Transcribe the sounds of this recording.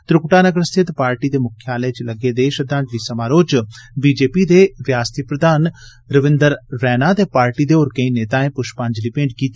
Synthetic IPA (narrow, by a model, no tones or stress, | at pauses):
t̪ɾʊkʈaːnəɡəɾst̪ʰɪt̪paːɾʈiːd̪eːmʊkʰjaːləet͡ʃləɡeːd̪eːʃəd̪ãːd͡ʒliːsəmaːɾoːt͡ʃbiːd͡ʒeːpiːd̪eːʋjaːst̪ipɾəd̪aːn | ɾəʋɪ̃nd̪əɾːɛːnaːt̪eːpaːɾʈiːd̪eːoːɾkəĩneːt̪aːẽːpʊʃpãːɲd͡ʒliːpẽːɳɖkiːt̪i